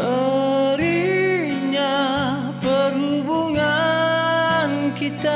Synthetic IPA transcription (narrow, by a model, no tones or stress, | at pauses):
əɾi | ɲa | pəɾubuŋa | nkit̪a